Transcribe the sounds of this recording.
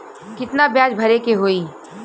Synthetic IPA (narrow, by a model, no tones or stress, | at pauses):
kɪt̪nabjaːd͡ʒbʱɐɾekeɦoːiː